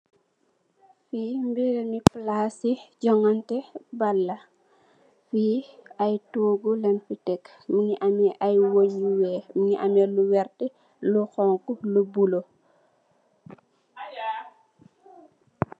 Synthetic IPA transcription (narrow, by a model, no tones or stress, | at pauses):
fiːmbiɾɛmiplaːsiɟɔŋɐntɛbɐlːɐ | fiːɐjtoːɡulɛnfitɛkː | miŋiʔamɛʔajwoɲuwɛːmiŋiʔamɛluwɛrtɛ | luxɔŋkulubulo